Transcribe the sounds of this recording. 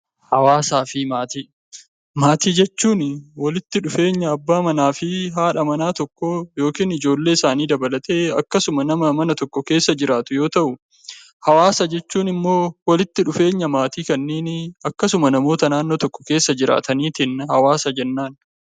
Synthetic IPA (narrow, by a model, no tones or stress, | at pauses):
hɐwaːsaːfɪmaːt̪iː | maːt̪iːd͡ʒɛt͡ʃːuːnwɐlɪt̪ːɪᶑʊfe̞ːɲːɐːbːaːmɐnaːfɪɦaːᶑɐmɐnaːt̪ɔkːɔjo̞ːkiːnɪd͡ʒo̞ːlːe̞ːɪsaːniːd̪ɐbɐlɐt̪ʼe̞ːɐ̰kːɐsʊmɐnɐmɐmɐnɐt̪ɔkːɔke̞ːsːɐd͡ʒɪɾaːt̪ʊjo̞ːt̪ɐʔʊ | hɐwaːsɐd͡ʒɛt͡ʃːuːnɪmːo̞ːwɐlɪt̪ːɪᶑʊfe̞ːɲːɐmaːt̪iːkɐnːeːnɪɐkːɐsʊmɐnɐmo̞ːt̪ɐnaːnːoːt̪ɔkːɔ̥ke̞ːsːɐd͡ʒɪɾa̰ːt̪ɐniːt̪ɪnhɐwaːsɐd͡ʒɛnːaːn